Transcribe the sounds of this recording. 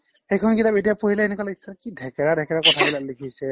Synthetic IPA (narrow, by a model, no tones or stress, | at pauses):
xejkʰɔnkidabetijapoɹilɛːnɛkwalaɡisɛkidʱɛkɛɹadʱɛkɛɹakɔtʰabilalikʰisɛ